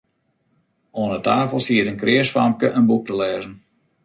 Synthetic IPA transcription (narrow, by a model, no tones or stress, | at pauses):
oənətaːfəlˠsiətənkrɪəsfamkəʔənbuk̚təlɛːzən